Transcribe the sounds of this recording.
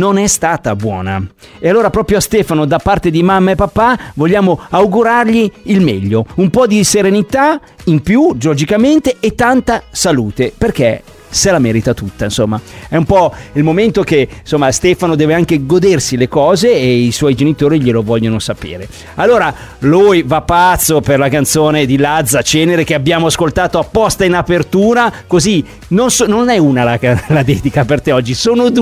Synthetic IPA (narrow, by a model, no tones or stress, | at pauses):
nonɛst̪aːt̪abwɔ̰ːna̰ | ealːoːɾapɾɔːpɾjoast̪ɛːfanod̪apːart̪ed̪imamːaepːapːavoʎːaːmoawɡuɾarʎiːlmɛʎːoumpɔd̪iseɾenit̪a | impjud͡ʒood͡ʒikament̪eʔːt̪ːant̪asaluːt̪eperk̟e | selamɛːɾit̪at̪ut̪ːainsomːaɛumpɔilmoment̪okensomːast̪ɛːfanod̪ɛːveaŋkeɡod̪ersilekɔːzeːiswɔjd͡ʒenit̪oːɾiʎilovɔʎːonosapḛːɾe | alːoːɾa | lujvapːat̪sːoperlakant̪soːned̪ilad̪zat͡ʃɛːneɾek̟eabːjaːmoaskolt̪aːt̪oapːɔst̪ainapert̪uːɾakozi | nonsononɛunalaklad̪ɛːd̪ikapert̪eɔd͡ʒːisoːnod̪